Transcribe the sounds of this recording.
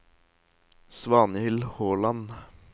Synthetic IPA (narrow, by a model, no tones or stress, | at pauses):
sʋɑːnəhʏlhoːlɑn